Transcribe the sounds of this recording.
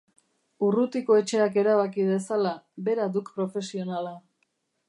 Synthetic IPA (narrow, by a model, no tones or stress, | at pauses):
urut̪iko̞e̞t͡ʃe̞ake̞ɾaβ̞akiðe̞salaβe̞ɾad̪ukpɾo̞fe̞sio̞nala